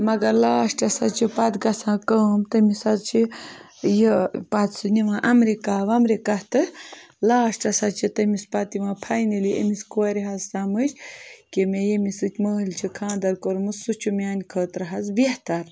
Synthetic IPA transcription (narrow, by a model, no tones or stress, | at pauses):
mɐɡɐɾlaːʂʈɐsɐt͡ʃʰipɐt̪ɡɐsãːkəːmt̪ɐmisɐzt͡ʃʰi | jəpɐt̪sɨniʋãːʔɐmɾekaːʋɐmɾekɐht̪ɨ | laːʃʈɐsɐt͡ʃʰit̪ɐmispɐt̪imãːpʰajnɨliʔḛmiskoɾʲiɦazsamɨt͡ʃʰʲkemʲejemisɨt̪ʲməːɦɨlʲt͡ʃʰikʰãːd̪ɐɾkoɾmɨssut͡ʃʰumʲaːnʲkʰəːt̪ɾɐɦɐzbeht̪ɐɾ